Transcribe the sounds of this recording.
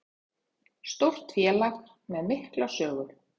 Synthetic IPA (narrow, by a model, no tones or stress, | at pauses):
st̪owr̥t̪fjɛːlaɣ | mɛðmɪhklasœːɣʏɾ̥